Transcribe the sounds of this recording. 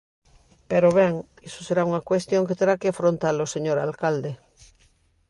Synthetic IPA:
peɾoβeŋ | esoseɾauŋakwest̪jo̞ŋket̪eɾakeafɾõnt̪aloseɲoɾalkald̪e

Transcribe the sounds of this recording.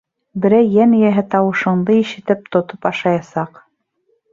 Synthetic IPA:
bɘ̆ɾæjːænijæɦɘt̪ɑwɤ̆ʃɤ̆ɴd̪ɤjiʃɘ̆t̪ɘp̚t̪ŏt̪opɑʃɑjɑsɑq

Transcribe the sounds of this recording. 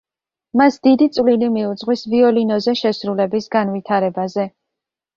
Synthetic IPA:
masd̪̥id̪it̪sʼvlilimiud̪zʼʁwisviɔlinɔzɛʃɛsɾulɛbisɡanvit̪ʰaɾɛbazɛ

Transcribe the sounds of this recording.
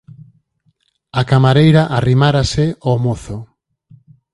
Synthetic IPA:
akamaɾejɾaʔarimaɾasɪomoθo

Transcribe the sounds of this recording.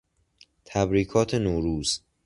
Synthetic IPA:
t̪ʰæbɾiːkʰɒːt̪ʰenoːɾuːz̥

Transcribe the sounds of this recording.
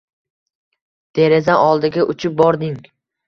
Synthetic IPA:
d̪̥e̞ɾezaɒlˠd̪ɪɡʲaʔʊt͡ʃʰɪp̚bɒɾd̪ɪŋ

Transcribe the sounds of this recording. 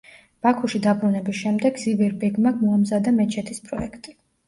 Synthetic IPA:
b̥akʰuʃid̪abɾunɛbisʃɛmd̪ɛɡzivɛɾbɛɡmaɡmɔamzad̪amɛt͡ʃʰɛt̪ʰispʼɾɔ̰ɛ̰kʰt̪ʼi

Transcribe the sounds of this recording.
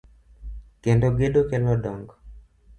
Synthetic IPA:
kɛndoɡeɗokɛlɔɗɔŋɡɔ

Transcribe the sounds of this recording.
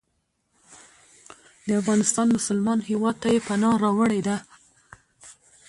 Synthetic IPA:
d̪̥əafɣɑnɪst̪ɑnmʊsʊlmɑnhewɑd̪̚t̪ajepanɑɾɑwəɽed̪a

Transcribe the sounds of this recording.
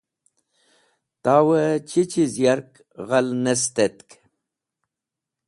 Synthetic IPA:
t̪aːwət͡ɕʰit͡ɕizjaɾk | ʁalnest̪et̪k

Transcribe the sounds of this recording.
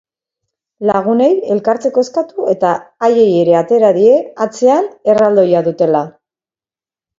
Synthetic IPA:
laɣ̞une̞je̞lkaɾt͡se̞ko̞eskat̪ue̞t̪aːje̞je̞ɾe̞at̪eɾaðie̞at͡se̞ane̞rald̪o̞jaðut̪e̞la

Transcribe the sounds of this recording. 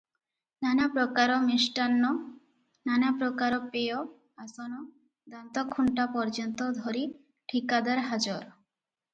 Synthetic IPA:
nanapɾokaɾomeʃʈanːo | nanapɾokaɾopeo | asono | d̪ant̪okʰuɳʈapɔɾd͡ʒɔnt̪od̪ʱoɾi | ʈʰikad̪aɾɦad͡ʑoɾ

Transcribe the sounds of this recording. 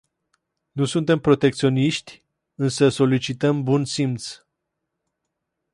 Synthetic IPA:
nusunt̪e̞mpɾo̞t̪e̞kt̪sio̞niʃt̪ʲ | ɨnsəso̞lit͡ʃit̪əmbunsimt̪s

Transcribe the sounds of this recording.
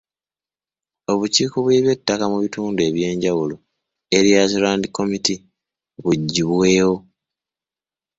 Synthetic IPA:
o̞βuciːkoβweβje̞tːakamuβituːndue̞βje̞ːɲɟawulo̞ | e̞ɾijazolaːndiko̞miti | βuɟːiβwe̞ːwo̞

